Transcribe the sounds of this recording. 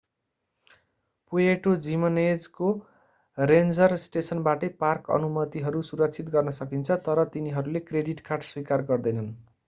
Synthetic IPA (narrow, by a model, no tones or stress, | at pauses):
pujeʈod͡zimʌned͡zko | rend͡zʌrsʈesʌnbaʈʌjparkʌ̰numʌt̪iɦʌɾusuɾʌk̚t͡sʰit̪̚ɡʌrnʌsʌkint͡sʰʌt̪ʌɾʌt̪iniɦʌɾulekreɖiʈkarʈswikarɡʌrd̪ʌjnʌn